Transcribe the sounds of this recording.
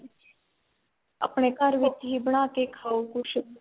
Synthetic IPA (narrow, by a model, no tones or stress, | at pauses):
ə̰pɳ̃ekəɾʋɪt̪ɦibɽ̃ãːkekʰaːukuʃə